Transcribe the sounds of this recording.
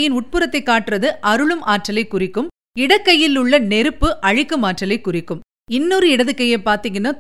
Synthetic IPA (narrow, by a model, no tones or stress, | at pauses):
jɪnʊʈ̚pɯɾɐt̪ːɐɪkːaːʈːɪrɐðɯʔɐɾɯɭɯmʔaːʈrɐlɐɪkːʊrɪkːɯm | ɪɽɐkːɐjːɪlɯɭːɐnɛɾɯpːɯʔɐɻɪkːɯmaːʈrɐlɐɪkːʊrɪkːɯm | ɪnːuɾɯɪɽɐðɯkːɐjɐɪpaːɾt̪iːŋɡɐnːa